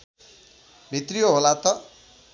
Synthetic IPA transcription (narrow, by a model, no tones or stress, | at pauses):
mʱit̪rijoɦolat̪ʌ